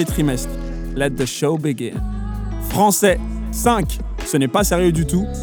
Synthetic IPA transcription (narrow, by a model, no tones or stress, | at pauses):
et̪χimɛst̪χ | lɛt̪̚ðəʃobiɡɪ̰̃n | fχɑ̃sɛ | sɛ̃k | sənɛpasɛʁjød̪yt̪u